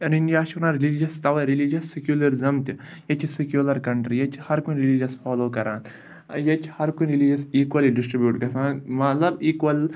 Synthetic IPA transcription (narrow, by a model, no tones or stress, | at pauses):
ɐninɖijaːʃnaːɾilid͡ʒɐst̪ɐweɾilid͡ʒɐsːikjuːlɐɾizɐmt̪i | jɐt͡ʃʰisikjuːlɐɾkɐɳʈɾijɐt͡ʃʰhɐɾkunɾilid͡ʒɐsfʰaːloːkɐɾãːn | jɐt͡ʃʰhɐɾkunɾilid͡ʒɐsiːkwɐliɖisʈɾibjuːʈkɐsãːnmɐt̪lɐbiːkwɐl